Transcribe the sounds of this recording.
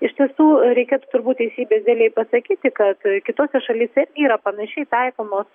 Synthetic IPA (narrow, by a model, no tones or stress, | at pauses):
ɪʃʲt̪ʲiɛsuːɾʲɛɪkʲeːt̪u̥ːt̪ʊɾbuːt̪t̪ʲɛɪsʲiːbʲeːsʲd̪ʲelʲɛɪpɐsɐkʲiːt̪ʲɪkɐt̪kʲɪt̪oːsʲɛʃɐlʲiːsʲɛɪrʲɡʲɪiːɾɐpɐnɐʃʲɛɪt̪ɐɪkoːmoːs